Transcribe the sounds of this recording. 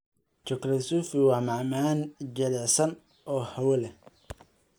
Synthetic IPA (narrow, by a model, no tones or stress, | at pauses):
t͡ʃɔklɐsuːfɪwɑːmɑʕmaːnd͡ʒɐlɛsɐn | ɔːhɐwɐlɛ